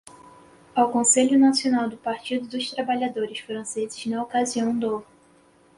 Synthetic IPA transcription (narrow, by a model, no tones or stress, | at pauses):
awkõseʎʊnasionawd̪ʊpaɾt͡ʃid̪ʊd̪ʊst̪ɾabaʎad̪oɾɪsfɾɐ̃sezɪznɐokaziɐ̃w̃d̪o